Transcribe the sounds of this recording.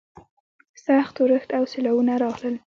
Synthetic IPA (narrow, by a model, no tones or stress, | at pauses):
saxt̪wɾəxt̪awsɪlawunaɾɑɣləl